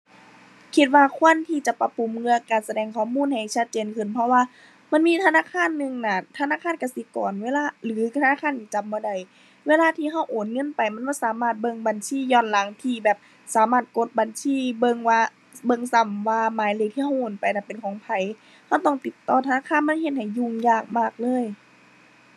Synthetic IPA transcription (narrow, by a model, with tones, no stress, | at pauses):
kʰi˧t̪̚waː˧kʰu˧˥˨ənt̪ʰiː˧˩t͡ɕa˨˧˦pa˧pu˨˩˨mŋɯ˧ɐkaː˨˩sa˧dɛː˨˩ŋkʰɔː˧˨muː˧˥˨nha˨˩jt͡ɕʰa˧˥t̪̚t͡ɕeː˨nkʰɯ˧˩˨npʰɔ˧waː˧ | ma˧˥˨nmiː˧˥˨t̪ʰa˧naː˧˥˨kʰaː˧˥˨nːɯ˧˨ŋna˧˩t̪ʰa˧naː˧˥˨kʰaː˧˥˨nka˧˩si˧˦kɔ̰ː˨˩nweː˧˥˨laː˧˥˨lɯː˨˦t̪ʰa˧naː˧˥˨kʰaː˧˥˨niː˧˩t͡ɕa˨mbɔː˧˦da˨˧˩j | weː˧˨laː˧˥˨t̪ʰiː˧˨ɦa˧˥˩wʔoː˨˩nŋɤ˧˥˨npa˨˩jma˧˥˨bɔː˧˩˨saː˨˦maː˧˩t̪̚bɤ˧˨ŋba˨nsiː˧˨jɔː˧˨nla˨˦ŋt̪ʰiː˧˩bɛː˨˩p̚ | saː˨˦maː˧˩t̪̚ko˧˦t̪̚ba˨nsiː˧˥˨bɤ˧˨ŋwaː˧ | bɤ˧ŋsa˨˩mwaː˧maː˨˦jleː˧˨t̪ʰiː˧ha˧wwʔoː˨˩npa˨jna˧˩pe˨nkʰɔː˨˦ŋpʰa˨˦j | ha˧˥˩wt̪ɔ˧˩ŋt̪i˨˩t̪ːɔː˧˩t̪ʰa˧naː˧˥˨kʰaː˧˥˨nma˧˥˨nhe˧t̪̚ha˨˩jːu˧˩˨ŋjaː˧˩k̚maː˧˩k̚lɤː˧˥˨j